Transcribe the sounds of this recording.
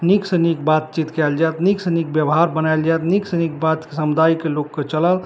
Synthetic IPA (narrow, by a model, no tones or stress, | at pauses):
niksənik̚bat̪̚t͡ʃit̪kɛld͡ʒat̪niksənik̚bjəbɦaɾbənajld͡ʒajt̪niksənik̚bat̪kesəmud̪aikelokːet͡ʃələl